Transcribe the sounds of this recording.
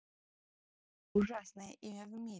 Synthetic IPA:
uʐasnɐjəʔimʲɐvmʲi

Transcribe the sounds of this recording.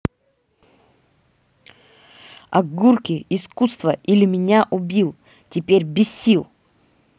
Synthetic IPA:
ɐ̰ɡurkʲɪɪskust̪vəʔilʲɪmʲɪnʲaʔʊbʲilˠ | tʲɪpʲeɾʲbʲɪsʲːilˠ

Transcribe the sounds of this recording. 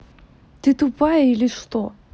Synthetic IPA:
t̪ɨt̪upajəilʲɪʂt̪o

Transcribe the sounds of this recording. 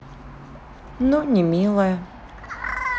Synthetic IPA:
nunʲɪmʲilˠɐjɐ

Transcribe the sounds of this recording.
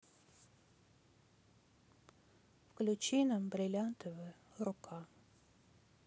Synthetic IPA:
fklʲut͡ʃinəmbɾʲilʲant̪ʰəvəɾukʰa

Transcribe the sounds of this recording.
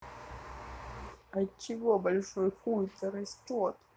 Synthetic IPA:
ɐt͡ɕːɪvobɐlʲʂojfult̪əɾɐsʲtʲot̪

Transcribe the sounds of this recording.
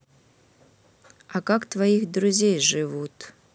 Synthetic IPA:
akakt̪vaixd̪ruzʲejʐɨvut̪

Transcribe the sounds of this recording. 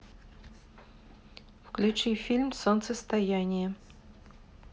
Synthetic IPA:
fklʲut͡ʃifʲilʲmsɔnt̪səst̪ɐjanʲɪjɛ

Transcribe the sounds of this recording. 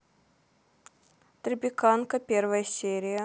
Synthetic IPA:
t̪rʲbʲɪkankəpʲervəjəsʲeɾʲɪjə

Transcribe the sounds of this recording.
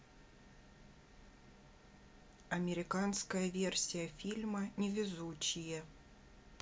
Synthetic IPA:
ɐmʲɪɾʲɪkanskəjəvʲersʲɪjəfʲilʲmənʲɪvʲɪzut͡ɕːɪjə

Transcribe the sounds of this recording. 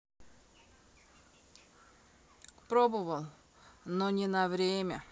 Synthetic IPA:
pɾobəvəlˠ | nonʲɪnɐvɾʲemʲə

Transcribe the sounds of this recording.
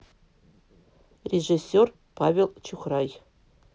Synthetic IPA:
rʲeʐɨsʲːor | pʰavʲelˠt͡ʃʰiχʷraj

